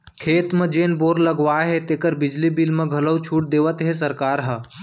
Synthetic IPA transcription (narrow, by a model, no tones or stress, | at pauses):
kʰeːt̪mẽd͡ʒeːnboːɾləɡʋaɦet̪eːkəɾbɪd͡ʒlibilmẽɡʱələwt͡ʃʰuːʈ̚d̪eːʋət̪ɦesəɾkaːɾɦə